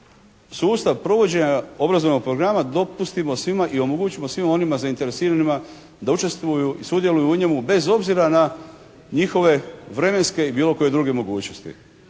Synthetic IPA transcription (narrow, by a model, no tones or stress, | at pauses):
suːst̪aʋpɾo̞ʋo̞d͡ʑe̞ɲao̞bɾazo̞ʋno̞ɡ̚pɾo̞ɡɾamad̪o̞pust̪imo̞sʋimaʔio̞mo̞ɡut͡ɕimo̞sʋimo̞nimazaint̪e̞ɾe̞siːɾanima | d̪aut͡ʃe̞st̪ʋujuisud̪je̞lujuuɲe̞mube̞zo̞bziɾana | ɲixo̞ʋe̞ʋɾe̞me̞nske̞ibiːlo̞ko̞je̞d̪ɾuːɡe̞mo̞ɡuːt͡ɕno̞st̪ḭ